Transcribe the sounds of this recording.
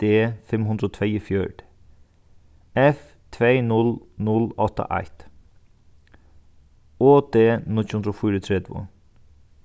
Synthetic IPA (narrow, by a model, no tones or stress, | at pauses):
eːfɛmhʉnd̪ɾoːt̪ʰʋeɪifjœɖ̥ | ɛf | t̪ʰʋeːnʉlnʉlɔt̪ə̰ʔæ̰ɪt̪ | oːd̪eːnʉlçhʉnd̪ɾoːfʏːɾət̪ʰɾɛd̪ʋʊ̰